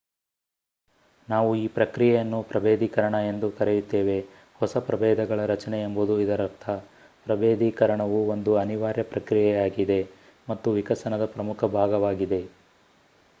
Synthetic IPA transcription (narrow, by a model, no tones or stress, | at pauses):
naːʋuiːpɾɐkɾijɛjɐnːupɾɐbeːd̪ikɐɾɐɳɐe̞nd̪ukɐɾejut̪ːeːʋe̞ | hɔsɐpɾɐbɛːd̪ɐɡɐɭɐɾɐt͡ʃɐneembud̪uid̪ɐɾɐɾt̪ʰɐ | pɾɐbeːd̪ikɐɾɐɳɐʋuond̪uɐniʋaːɾjɐpɾɐkɾijɛjaːɡid̪e̞ | mɐt̪ːuʋikɐsɐnɐd̪ɐpɾɐmukʰɐbʱaːɡɐʋaːɡid̪e̞